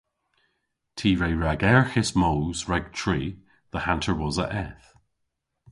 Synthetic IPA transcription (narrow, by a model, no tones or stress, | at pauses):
tʰiːɹejɹaɡɛɹxɪsmoːzɹɛɡ̚tʰɹ̥iː | ðəhãntʰəwɔzə̰ʔɛθ